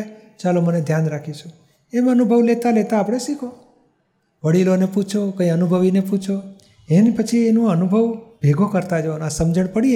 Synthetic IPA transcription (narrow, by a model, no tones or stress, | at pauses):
t͡ʃaloməned̪ʱjanɾakʰit͡ʃʰũ | emənubʱəʋlet̪alet̪aːpɽ̃eʃikʰo | ʋəɽiloneput͡ʃʰokə̃ĩənubʱəʋineput͡ʃʰo | enpət͡ʃʰienũənubʱəʋbʱeɡʱokəɾt̪ad͡ʒəonasəmd͡ʒəɽpəɽi